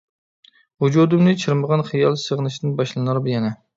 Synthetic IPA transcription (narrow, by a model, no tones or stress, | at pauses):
wud͡ʒud̪ɨmnɨt͡ʃʰɨɾməʁɑnχijɑlˠsəʁnɨʃd̪ɪnbɑʃlˠɨnɑɾbjɛnɛ